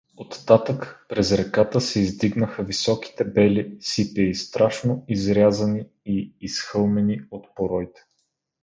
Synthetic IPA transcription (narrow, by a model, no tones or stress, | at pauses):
ot̪ːat̪əkpɾɛzɾɛkat̪əsɛizd̪iɡnəxəvisɔki̥t̪ɛbɛlisipɛist̪ɾaʃnoizɾʲazɐni | iːsxɤlˠmɛniot̪poɾɔjt̪ɛ̥